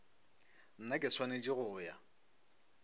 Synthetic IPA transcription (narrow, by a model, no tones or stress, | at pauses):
n̩nakʼɪsʰwaned͡ʒiɣʊːja